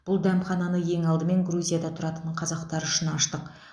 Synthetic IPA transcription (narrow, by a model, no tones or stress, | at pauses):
b̥ʊlˠd̪æmχɑnɑnəje̞ŋɑlˠd̪əme̞ŋɡɾuzʲijad̪ɑt̪ʰʊɾɑt̪ənqʰɑzɑqt̪ɑɾʏʃɪnɑʃt̪əq